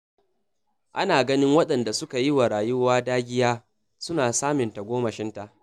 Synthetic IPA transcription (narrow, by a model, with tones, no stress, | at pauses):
ʔa˦naː˨ɡɐ˦nɪ˦ŋwɐ˦ɗɐ˨nda˨sʊ˦ka˨jɪ˦wa˨ɾaː˨jʊ˦waː˦daː˦ɡʲɪ˦jaː˦ | sʊ˦naː˨saː˦mɪ˨nta˨ɡʷoː˦mɐ˨ʃɪ˦nta˨ʔ